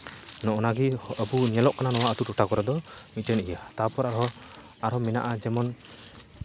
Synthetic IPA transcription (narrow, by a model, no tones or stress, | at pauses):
nɔʔɔnaɡiəbuɲɛlɔʔkananɔwaət̪utɔʈʰakɔɾad̪ɔmitənijat̪apɔɾaɾɦɔ | aɾhɔmɛna̰ʔad͡ʒɛmɔn